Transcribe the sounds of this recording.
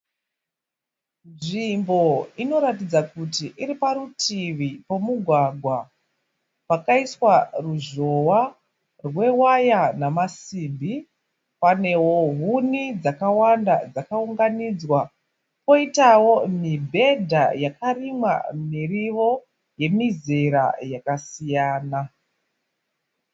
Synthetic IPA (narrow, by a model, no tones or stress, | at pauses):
nʐimbo̞ino̞ɾatid͡zakutiʔiɾipaɾutʰiʋipo̞muɡʱwaɡʱwa | pakaiswaruʐo̞wa | rwe̞wajanamasiːmbi | pane̞woɦunid͡zakawandad͡zakauŋɡanid͡zwa | po̞itawo̞mibʱe̞dʱajakarimwa̰miriʋo̞ | je̞mizeɾa̰jakasijaːna